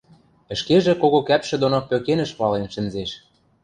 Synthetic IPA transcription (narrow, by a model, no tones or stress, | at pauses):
ə̆ʃkeʒĕkoɣokæpʃɘ̆d̪onopøkenɘ̆ʃpɑlenʃɘ̆nzeʃ